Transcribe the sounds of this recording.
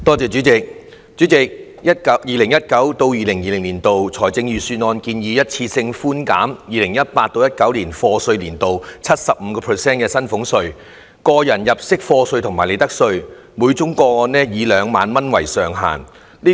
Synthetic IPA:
t̪ɔː˥t͡sɛː˨˧t͡ʃy˨˥t͡sɪ˨k̚ | t͡sy˨˥t͡sɪ˨k̚ | jiː˨˩lɪ˨˩ŋjɐ˥t̚kɐ˨˥wt̪o˧wjiː˨˧lɪ˨˩ŋjiː˨˩lɪ˨˩ŋliː˨˩nt̪o˨wt͡sʰɔː˨˩jt͡sɪ˧ŋjyː˨syː˧nɔː˧nkiː˧njiː˨˧jɐ˥t̚t͡sʰiː˧sɪ˧ŋfuː˥nkaː˨˥mjiː˨˩lɪ˨˩ŋjɐ˥t̚paː˧t̚t̪o˧wjɐ˥t̚kɐ˨˥wliː˨˩nfɔː˧sɵ˧ɥliː˨˩nt̪o˨wt͡sʰɐ˥t̚sɐ˨p̚m̩˨˧kɔː˧pʰə˨˩sɛː˥nkɛː˧sɐ˥nfʊ˨˥ŋsɵ˧ɥ | kɔː˧jɐ˨˩njɐ˨p̚sɪ˥k̚fɔː˧sɵ˧ɥt̪ʰŋmaː˨˩le˨˧t̪ɐ˥k̚sɵ˧ɥ | muː˨˧jt͡sʊ˨˥ŋkɔː˧ɔː˧nɛː˥jiː˨˧lœː˨˧ŋmaː˨˧nmɐ˥nwɐ˨˩jsœː˨ŋɦa̰ː˨˩n | liː˥

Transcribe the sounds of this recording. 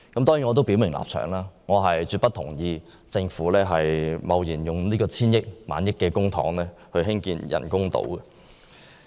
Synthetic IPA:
kɐ˨˥mt̪ɔː˥ŋjiː˨˥ŋɔː˨˧t̪o˥wpi˨˥wmɪ˨˩ŋlʔa̰ː˨p̚t͡ʃʰœ̰ː˨˩ŋlaː˥ŋɔː˨˧ɦɐ˨jt͡syː˧t̚pɐ˥t̪ʰʊ̰˨˩ŋjiː˧ | t͡sɪ˧ŋfuː˨˥lɛː˥ɦɐ˨jmɐ˨˧wjiː˨˩njʊ˨ŋliː˥kɔː˧t͡sʰiː˥njɪ˥k̚ma̰ː˨˧njɪ˥kːɛː˧kʊ˥ŋt̪ʰɔ̰ː˨˥ŋlɛː˥hɵ˧ɦɪ˥ŋkiː˧njɐ̰˨˩nkʊ˥ŋt̪o̰˨˧˥wkɛ˨

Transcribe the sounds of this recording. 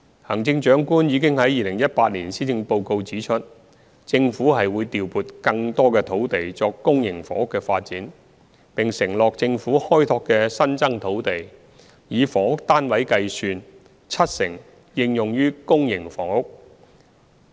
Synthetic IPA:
hɐ˨˩ŋt͡sɪ˧ŋt͡ʃœː˨˥ŋkuː˥njiː˨˧kɪ˥ŋhɐ˨˥jiː˨˧lɪ˨˩ŋjɐ˥t̚paː˧t̚liː˨˩nsiː˥t͡sɪ˧ŋpo˧wko˧wt͡siː˨˥t͡ʃʰɵ˥t̚ | t͡sɪ˧ŋfuː˨˥ɦɐ˨jwuː˨˧jt̪iː˨wpuː˨˩t̚kɐ˧ŋt̪ɔː˥kɛː˧t̪ʰo˨˥wt̪e˨jt͡sɔː˧kːʊ˥ŋjɪ˨˩ŋfɔ̰ː˨˩ŋʊ˥kːɛː˧faː˧t̚t͡siː˨˥n | pɪ˨ŋsɪ˨˩ŋlɔː˨k̚t͡sɪ˧ŋfuː˨˥hɔː˥jt̪ʰɔː˧kːɛː˧sɐ˥nt͡sɐ˥ŋt̪ʰo˨˥wt̪e˨j | jiː˨˧fɔː˨˥ŋʊ˥k̚t̪aː˥nwɐ˨˥jkɐ˧jsyː˧n | t͡sʰɐ˥t̚sɪ˨˩ŋ | jɪ˧ŋjʊ˨ŋjyː˥kʊ˥ŋjɪ˨˩ŋfɔ̰ː˨˩ŋʊ˥k̚

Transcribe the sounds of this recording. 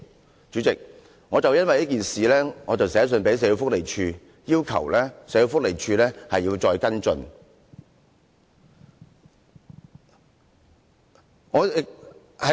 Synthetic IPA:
t͡ʃyː˨˧˥t͡sɪ˨k̚ | ŋɔː˨˧t͡sɐ˨wjɐ˥nwɐ˨jɐ˥k̬iː˨nsiː˨lɛː˥ŋɔː˨˧t͡sɐ˨wsɛː˨˥s̬ɵ˧npe˨˥jse˨˥jo˧fʊ˥k̚le˨˩jt͡ʃʰyː˧ | jiː˥wkʰɐ̰˨˩wlɛː˥sɛː˨˥jo˧wfʊ˥k̚le˨˩jt͡ʃʰyː˧lɛː˥hɐ˨jiː˧wt͡sɔː˧jkɐ˥nt͡sɵ̰˧n | ŋɔː˨˧ | hɐ˨

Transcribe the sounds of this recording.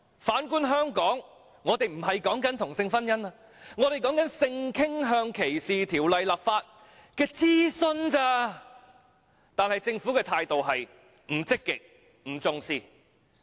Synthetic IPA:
faː˨˥nkuː˥nɦœː˥ŋkɔː˨˥ŋː | ɔː˨˧t̪e˨jm̩˨˩hɐ˨jkɔː˨˥ŋkɐ˨˥nt̪ʰʊ˨˩ŋsɪ˧ŋfɐ˥njɐ˥na˧ | ŋɔː˨˧t̪e˨jkɔː˨˥ŋkɐ˨˥nsɪ˧ŋkʰɪ˥ŋɦœː˧ŋkʰe˨˩jsiː˨t̪ʰiː˨˩wlɐ˨jlaː˨p̚faː˧t̚ | kɛː˧t͡siː˥sɵ˧nt͡saː˧˥ | t̪aː˨nhɐ˨jt͡sɪ˧ŋfu˨˥kɛː˧t̪ʰaː˧jt̪o˨wɦɐ˨j | m̩˨˩t͡sɪ˥kːɪ˨k̚ | m̩˨˩t͡sʊ˧ŋsiː˧

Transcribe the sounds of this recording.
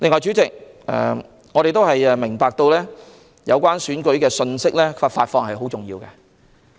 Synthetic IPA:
lɪ˨˧ŋːɔː˨˧jt͡ʃyː˨˥t͡sɪ˨k̚ɛ̰ː˨ | ŋɔː˨˧ɾe˨jt̪̬o˥whɐ˨jɛ˧mɪ˨˩ŋpaː˧k̚t̪o˧wlɛː˥ | jɐ˨˧wkʷwaː˥nsyː˨˥nkɵ˨˥ɥkɛː˧sɵ˧nsɪ˥k̚lɛː˥faː˧tfaː˧t̚fɔː˧ŋhɐ˨jɦo˨˥wt͡sʊ˨ŋjḭː˧wkɛː˧

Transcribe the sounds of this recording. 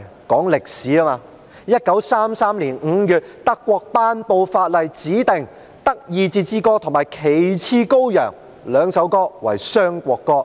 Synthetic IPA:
kɔː˨˥ŋlɪ˨k̚siː˨˥a˥maː˧ | jɐ˥t̚kɐ˨˥wsaː˥msaː˥mliː˨˩nŋ̩˨˧jyː˨˧t̚t̪ɐ˥kːʷɔː˧k̚paː˥npo˧wfaː˧t̚lɐ˨jt͡siː˨˥t̪ɪ˨ŋ | t̪ɐ˥k̚jiː˨˧t͡siː˧t͡siː˧˥kɔː˥t̪ʰo˨ŋmaː˨˩jkʰe˨jt͡sʰiː˥ko˥wjœ̰ː˨˩ŋ | lœː˨˧ŋsɐ˨˥wkɔː˥wɐ̰˨˩jsœː˥ŋkʷɔː˧kːɔː˧

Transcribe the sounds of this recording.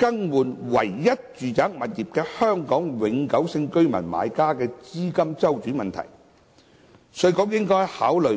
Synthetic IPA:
kɐ˥ŋwuː˨˩nwɐ̰˨˩jːɐ˥t̚t͡ʃyː˨t͡saː˨˥k̚mɐ˨t̚jiː˨p̚kɛː˧hœː˥ŋkɔː˨˥ŋwɪ˨˧ŋkɐ˨˥wsɪ˧ŋkɵ˥ɥmɐ̰˨˩nma̰ː˨˧jkaː˥kɛː˧t͡siː˥kɐ˥mt͡sɐ˥wt͡ʃyː˨˥mɐ˨nt̪ʰɐ̰˨˩j | sɵ˧jkɔː˧˥k̬̚jɪ˥ŋkɔː˥jhaː˨˥wlɵ˨

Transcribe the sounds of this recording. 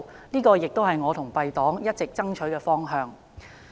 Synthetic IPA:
niː˥kɔː˧jɪ˨k̚t̪o˥wɦɐ˨˩jŋɔː˨˧t̪ʰʊ˨˩ŋpɐ˧jt̪ɔː˨˥ŋjɐ˥t̚t͡sɪ˨k̚t͡sɐ˥ŋt͡ʃʰɵ˨˥ɥkɛː˧fɔː˥ŋɦœː˧ŋ

